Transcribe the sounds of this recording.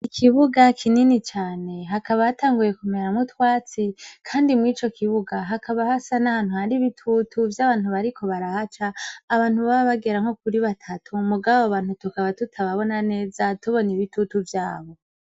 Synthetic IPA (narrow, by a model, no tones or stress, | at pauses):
ikʰiβuɡakʰininit͡ʃaːne̞ɦakaβahataːŋɡuje̞kumeɾamutwaːt͡sikʰaːndimŋiːt͡ʃo̞kʰiβuɡaɦakʰaβahasanahaːn̥huhandiβitʰutʰuvjaβaːn̥huβaɾikʰo̞βaɾahat͡ʃaːβaːn̥huβaβaβaɡe̞ɾaŋ̥o̞kuɾiβatʰatʰumuɡaβoβaːnhutukaβatutʰaβaβo̞nane̞ːzatuβo̞niβitutuvjaːβo̞